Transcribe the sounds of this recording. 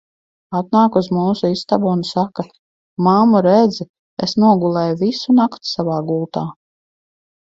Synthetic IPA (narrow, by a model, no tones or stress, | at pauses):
at̪naːkuzmuːsuist̪abunsaka | mamuɾɛd̪z | esnuɔɡulˠɛːjuvisunakt̪savaːɡulˠt̪aː